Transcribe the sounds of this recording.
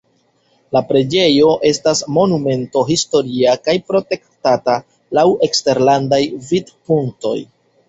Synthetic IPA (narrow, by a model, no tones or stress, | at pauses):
lapɾe̞d͡ʒe̞jo̞ʔe̞stasmo̞nume̞nto̞ɦisto̞ɾiakajpɾo̞te̞ktata | lawe̞kste̞ɾlandajvidpuŋkto̞̰j